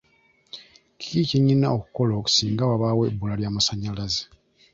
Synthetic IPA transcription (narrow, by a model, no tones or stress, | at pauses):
ci̥kiciɲːinːa̰oku̥ko̞loku̥siːŋɡawaβaːwebːulaljaːmasaɲːalaze̥